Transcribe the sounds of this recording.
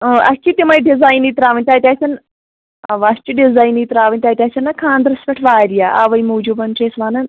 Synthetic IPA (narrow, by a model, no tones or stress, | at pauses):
əːʔɐ̰kʲʰːit̪ʲimɐjɖizaːjnit̪ɾaːʋɐnʲt̪ʲaːt̪ʲaːt͡ʃʰɐn | ɐʋast͡ʃiɖizaːjniːt̪ɾaːʋənʲt̪ʲaːt̪ʲaːt͡ʃʰɐnːakʰaːnd̪ɾɐspʲɐʈʰʋaːɾijaʔaʋɐjmuːd͡ʒubɐnt͡ʃesʋaːnɐn